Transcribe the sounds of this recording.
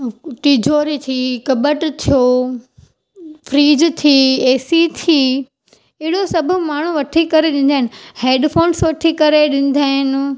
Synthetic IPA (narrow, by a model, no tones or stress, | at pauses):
ʈiːd͡ʑoːɾit̪ʰiːkɐbəʈt̪ʰijo | fɾiːd͡ʑt̪ʰiːeːsit̪ʰiː | ɪɦɪɽ̤osɐbʱʊmaːɳ̤uʋɐʈʰikɐɾeɗɪ̃n̆d̪aːɦɪ̃nɪ̆heːɖfʰoːnsʋɐʈʰikɐɾeɗɪ̃n̆d̪aːɦɪnɪ̆